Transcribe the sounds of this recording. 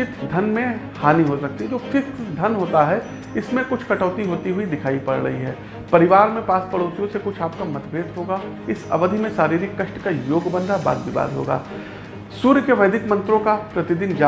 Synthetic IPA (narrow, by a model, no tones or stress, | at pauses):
ɪt̪d̪ʱɐnmẽhaːniɦosɐk̚t̪iɦɛd͡ʒoːfʰɪksd̪ʱɐnɦoːt̪aɦɛ | ɪsmẽkʊt͡ʃʰkɐʈɔːt̪iɦoːt̪iɦuid̪ɪkʰaːipɐɽɾɐ̰ɦiɦɛː | pɐɾɪʋaːɾmẽpaːspɐɽoːsijõsekʊt͡ʃʰaːp̚kamɐt̪beːt̪ɦoːɡaː | ɪsɐ̰ʋəd̪ʱimẽsaːɾiːɾɪkːɐʃʈkajoːɡbə̃nd̪ʱaba̰ːd̪bɪba̰ːɾɦo̰ːɡa̰ː | suːɾkeʋɐɪd̪ʱɪkmɐ̃nt̪ɾõkapɾɐt̪ɪd̪ɪnd͡ʒa